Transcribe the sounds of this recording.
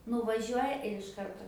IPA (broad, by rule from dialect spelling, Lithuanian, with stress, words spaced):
nʊʋɐˈʒʲuɔjɛ ɪr ɪʃ ˈkɐrtoː